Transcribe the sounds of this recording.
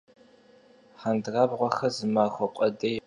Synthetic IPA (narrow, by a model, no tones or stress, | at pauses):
ħandraːbʁʷɔxɐzɨmaːxʷɔqʷʼɐdɐj